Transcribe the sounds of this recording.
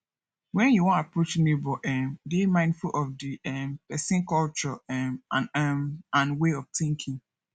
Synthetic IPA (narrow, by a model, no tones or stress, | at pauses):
wɛ̃njuwɔ̃napɹot͡ʃnebɔʔɛmdimãɪ̃ndfulʔɔfdiɛmpɛsĩnkɔlt͡ʃɔɛmãnɛmãnweɔftĩŋkʰĩŋ